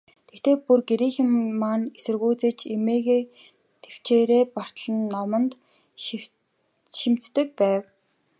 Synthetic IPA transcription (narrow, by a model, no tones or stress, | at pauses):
t̪ʰext̪eːpurɡeɾiːxɪ̆mːaːnesɘ̆rɣuːt͡sĕːt͡ɕemeːɣeː | t̪ʰew̥t͡ɕeːɾeːpar̥t̪̆ɮə̆nːɔmə̆nt̪ | ʃim̥t͡s̪ːɘ̆k̚pæːw